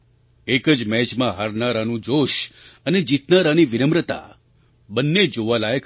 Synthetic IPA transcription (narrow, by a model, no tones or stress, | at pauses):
ekəd͡ʒmɛt͡ʃmãɦaɾnaɾanũd͡ʒoʃəned͡ʒit̪naɾaniʋɪnəmɾət̪a̰ | bənːed͡ʒoʋalajək